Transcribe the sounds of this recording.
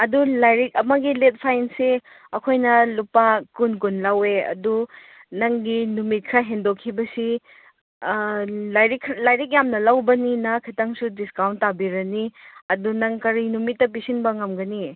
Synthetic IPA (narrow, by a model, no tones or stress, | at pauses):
ɐdulajɾik̚ɐmɐɡilet̚pʰajnse | ɐkʰojnɐlupakunk̬unlaweɐ̰du | nɐŋɡinumit̚kʰɾaɦendokʰːibɐsi | lajɾikʰlajɾik̬̚jamnɐlawbɐninakʰitaŋsudiskawntːabiɾɐniɐdunɐŋkɐɾinumitːɐp̬isinbɐŋɐmɡɐni